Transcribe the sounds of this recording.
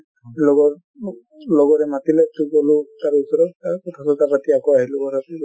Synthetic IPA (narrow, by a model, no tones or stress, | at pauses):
lɔɡɔ | lɔɡɔɹɛmatilɛtuɡɔlutaɹusɔɾɔakɔtʰasɔtapatiakɔaɦilʊkɔɾatu